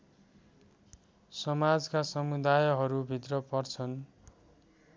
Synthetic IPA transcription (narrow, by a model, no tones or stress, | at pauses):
sʌmad͡zkasʌmud̪ajɦʌɾubʱit̪rʌpʌrt͡sʰʌn